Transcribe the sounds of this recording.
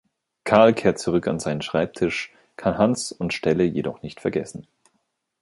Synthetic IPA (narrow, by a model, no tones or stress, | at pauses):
kʰaɐlkʰeːɐt̚t͡suʁ̞ʏka̰nzaɪnənʃʁ̥aɪp̚tʰɪʃ | kʰanɦant͡sʊntʃtɛləjedɔχnɪçtfɛɐɡɛsn̩